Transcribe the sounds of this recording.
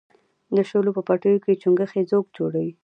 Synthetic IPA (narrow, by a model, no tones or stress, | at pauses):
d̪əʃolopəpaʈəjoket͡ʃuŋɡəxed͡zoɡd͡ʒoɽawi